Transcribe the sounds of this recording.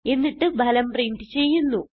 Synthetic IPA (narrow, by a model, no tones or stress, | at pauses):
e̞nːiʈːɨbʱɐlɐmpriɳɖɨt͡ɕe̞jːunːu